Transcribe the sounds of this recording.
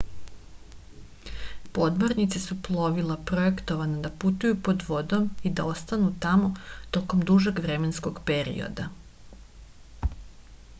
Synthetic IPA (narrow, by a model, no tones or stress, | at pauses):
po̞d̪moɾnit̪sesuplˠo̞ʋilˠapɾoe̞kt̪oʋanad̪aput̪ujupo̞d̪ʋo̞d̪o̞mid̪a̰o̞st̪anut̪amo̞t̪o̞ko̞md̪uʒeɡʋɾemensko̞ɡpe̞ɾḭo̰d̪a